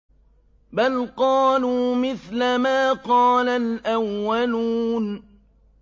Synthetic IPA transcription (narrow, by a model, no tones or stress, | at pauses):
balqɑːluːmɪθlamaːqɑːnalʔawːaluːn